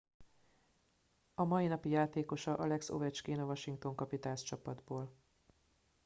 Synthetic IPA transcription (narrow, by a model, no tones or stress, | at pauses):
ɒmɒinɒpijaːt̪eːko̞ʃɒʔɒlɛkso̰vɛt͡ʃkeːnovɒʃiŋk̚t̪o̞ŋkɒpit̪aːnst͡ʃɒpɒd̪boːl